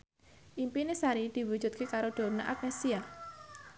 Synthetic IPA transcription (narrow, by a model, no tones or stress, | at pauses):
ʔimpinesaɾid̪̥i̤wu̥d͡ʒ̥ṳt̪̚kekaɾoɖ̪̥o̤ɾnaʔak̚nesia